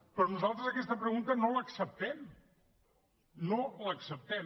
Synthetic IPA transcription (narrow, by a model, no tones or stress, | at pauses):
pɾɔnuzalˠt̪ɾəzəkɛst̪əpɾəɣunt̪ənoləksəp̚t̪ɛm | noləksəp̚t̪ɛm